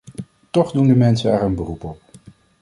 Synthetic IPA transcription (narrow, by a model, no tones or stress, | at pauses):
tɔχdundəmɛnsənɛːɹənbərupɔp̚